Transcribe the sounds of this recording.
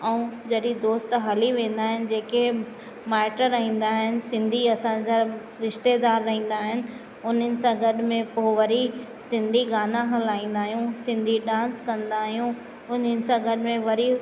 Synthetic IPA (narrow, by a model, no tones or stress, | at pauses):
ɛũd͡ʑɐɗid̪oːst̪ɦɐliʋẽːn̆d̪aːɦɪnɪ̆d͡ʑeːke | maːʈəɾːɐɦĩːn̆d̪aːɦɪnɪ̆sɪ̃nd̪ʱiɐsãd͡ʑa | ɾɪʃt̪ed̪aːɾːɐɦĩːn̆d̪aːɦɪnɪ̆ | ʊn̤ənɪ̆sãɡɐɗmẽpoʋɐɾi | sɪ̃nd̪ʱiɡaːnãɦɐlaːĩːn̆d̪aːɦijũsɪ̃nd̪ʱiɗãːnskɐ̃nd̪aːɦijũ | ʊn̤ənɪ̆sãɡɐɗɪmẽʋɐɾi